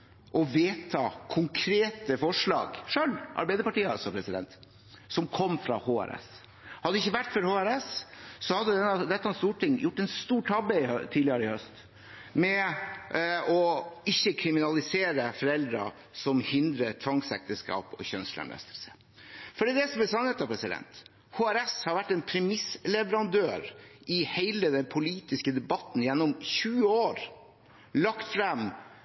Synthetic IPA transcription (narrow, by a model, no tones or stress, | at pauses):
ʔɔʋeːt̪ʰɑːkʰʊŋkʰɾeːt̪əfɔʂɭɑ̰ːɡʂœlʔɑ̰ɾbæɪd̪əpɑʈiːəɑlsɔpʰɾɛsɪd̪ɛ̰nt̪ | sɔmkʰɔmːfɾɑ̰hoːæ̰ɾɛ̰s | hɑd̪ːɪçːəʋæʈːfɔɾhoːæɾɛssɔhɑd̪ːəd̪ɛnːəd̪ɛt̪ːɑɛnst̪uːʈɪŋːjʊʈːɛnst̪uːʈʰɑbəɪt̪ʰiːd̪ɪɑɾəɪhœst̪ | mɛ | ɔɪçːəkʰɾɪmɪnɑlɪseːɾəfɔɾɛld̪ɾɑ̰ | sɔmhɪnd̪ɾət̪ʰʋɑŋsɛ̰k̚t̪əskɑ̰ːpɔ̰çœnslæ̰mlɛ̰st̪əlsə̥ | fɔɖiːd̪ɛsɔmɛlsɑnheːt̪ɑpʰɾɛsɪd̪ɛ̰nt̪ | hoːæɾɛshɑɾʋæʈːɛnpʰɾɛmɪslɛʋəɾɑnd̪øːɾʔɪhæɪləd̪ɛnpʰʊliːt̪ɪskəd̪ɛbɑt̪n̩jɛnːɔmçʉːəoːɾ | lɑkt̪fɾɛm